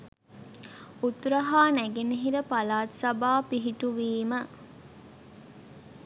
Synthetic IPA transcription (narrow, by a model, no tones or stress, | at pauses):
ut̪ɾɐɦaːnæɡeneɦiɾəpalaːt̪sɐbaːpiɦiʈuʋiːmə